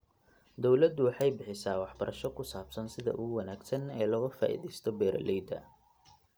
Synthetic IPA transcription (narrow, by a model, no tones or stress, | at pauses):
d̪ɔwlɐd̪ʊwɑħɑjbɪħɪsaːwɑħbɐɾʔɐʃɔkʰʊsaːbsɐnsɪðɐ̰ʔuːwɑnaːɡsɐnɛːlɔːɣɐfa̰ːʔḭːðɛjst̪ʰɔbɛːɾʔɐ̰lʔɛjd̪ɐ̰